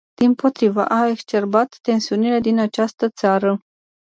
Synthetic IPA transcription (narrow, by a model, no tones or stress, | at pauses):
d̪̥impo̞t̪ɾivə̰ʔae̞kst͡ʃe̞rbat̪ːe̞nsiunile̞d̪inat͡ʃast̪ət̪saɾə